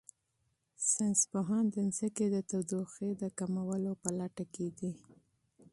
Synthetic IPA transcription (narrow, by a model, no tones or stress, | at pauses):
sanspoɦɑnd̪ənsəked̪ət̪awd̪oxed̪əkamawəlopalaʈaked̪i